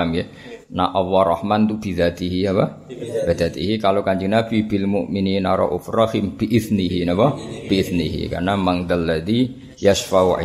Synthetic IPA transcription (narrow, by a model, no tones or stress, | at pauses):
mjɛ | naʔawarˤɑhmant̪ubiðat̪iɦiapabiðat̪ḭɦikalokaɲd͡ʒinafibɪlmuʔmininaɾa̰ʔṵfɾɑhimbiʔɪθniɦinabab̥iɪθniɦḭka̰rnamaŋd̪alːad̪i | jaʃfaʔṵ